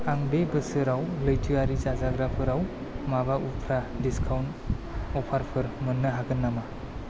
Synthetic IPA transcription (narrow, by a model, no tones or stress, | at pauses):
aŋbebɯsɯɾawlɯjtʰɯaɾizazaɡɾapʰɯɾaw | maβaʔupʰɾadiskʰawnt | ɔpʰaɾpʰɯɾmɯnːɯɦaɡɯnːama